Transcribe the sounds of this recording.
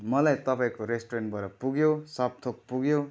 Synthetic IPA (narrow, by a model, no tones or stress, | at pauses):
mʌlajt̪ʌpaĩkoɾesʈoɾenʈ̚bʌɾʌpuɡjosʌb̚t̪ʰok̚puɡjo